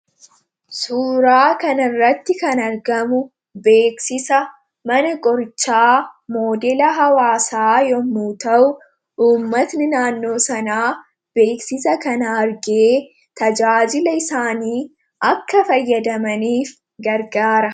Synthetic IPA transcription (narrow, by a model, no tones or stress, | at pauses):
suːɾaːkɐnɪrːɐt̪ːɪkɐnɐɾɡɐmʊ | be̞ːksɪsɐ | mɐnɐkʼɔɾt͡ʃːaːmo̞ːd̪elɐɦɐwaːsaːjɔmːuːt̪ɐʔʊ | ʔuːmːɐt̪nɪnaːnːo̞ːsɐnaː | b̥e̞ːksɪsɐkɐnɐɐɾɡeː | t̪ɐd͡ʒaːd͡ʒɪlɐɪsaːniː | ʔɐkːɐfɐjːɐd̪ɐmɐniːf | ɡɐɾɡaːɾɐ